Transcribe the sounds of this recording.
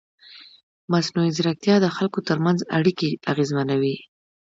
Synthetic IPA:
masnuizɾak̚t̪jɑd̪əxalkot̪əɾmanza̰ɽikeaɣezmanawi

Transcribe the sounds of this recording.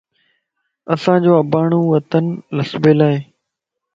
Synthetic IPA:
əsãːd͡ʑoːəbaːɳ̃ũːʋət̪ənləsbeːlaːɦeː

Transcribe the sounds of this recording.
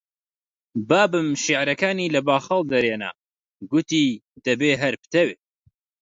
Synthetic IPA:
baːbɨmʃiʕɾɐkaːniːlɐbaːxɐlˠd̪ɐɾeːna̰ | ɡʊt̪id̪̥ɐbeːɦɐɾpɨ̥t̪ɐweː

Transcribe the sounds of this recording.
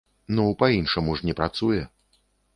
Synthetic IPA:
nɔpainʂɨmuʐnʲɛpɾat̪sujɛ

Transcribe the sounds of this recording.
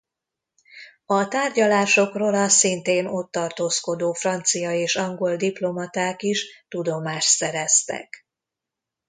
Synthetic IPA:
ɒt̪aːrɟɒlaːʃo̞krolɒsint̪eːno̞t̪ːɒrt̪oːsko̞d̪oːfrɒnt̪sijɒeːʃɒŋɡo̞ld̪iplo̞mɒt̪aːkiʃt̪ud̪o̞maːʃt̪sɛɾɛst̪ɛ̰k

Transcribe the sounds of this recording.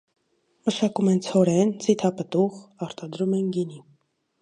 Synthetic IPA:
məʃɑkumɛnt͡sʰɔɾɛnt͡sʰit̪ʰɑpət̪uʁɑɾt̪ɑd̪ɾumɛnɡini

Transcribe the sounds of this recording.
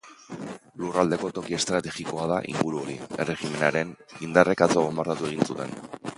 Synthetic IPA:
lurald̪e̞ko̞t̪o̞kie̞st̪ɾat̪e̞ɣiko̞að̞aʔḭŋɡuɾuo̞ɾḭe̞re̞xime̞naɾe̞nind̪are̞kat͡soɣombaɾt̪at̪ue̞ɣ̞insut̪e̞̰n

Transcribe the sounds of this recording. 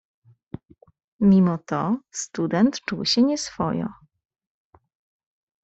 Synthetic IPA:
mʲimɔt̪ɔst̪ud̪ɛnt̪t͡ʂuwɕɛɲɛsfɔ̰jɔ̰̃

